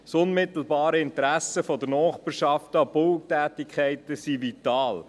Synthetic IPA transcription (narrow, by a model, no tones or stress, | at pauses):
sʊnmɪtl̩bɑːɾəɪntɾæsəfɔdəɾnɔːχbiɾʃɑftɑbʊlk̚tæːtikχɛɪtəsivitɑːl